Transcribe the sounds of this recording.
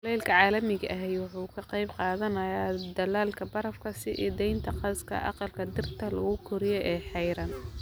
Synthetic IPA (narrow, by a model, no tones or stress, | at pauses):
lɛːlkʰɐʕɑːlɐmɪɣɐʔɐɦɛjwɑħuːkʰɐqɑjbqɑːðɐnɐjaːd̪ɐlaːlkʰɐbɐɾɐfkʰɐsɪʔḭːd̪ɛjnt̪ʰɐqɑskʰɐ̰ʔɑ̰qɑlkʰɐd̪ɪrt̪ʰɐlɐɣʊkʰʊɾɪjɛʔɛːħɛjɾɐn